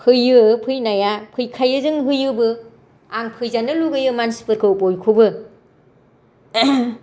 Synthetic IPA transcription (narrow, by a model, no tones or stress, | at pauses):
pʰhɯjɯpʰɯjnajapʰɯjkʰajɯzɯŋɦɯjɯbɯ | aŋpʰɯjzanɯluɡɯjɯmansi̥pɯɾkʰɯupojkʰubɯ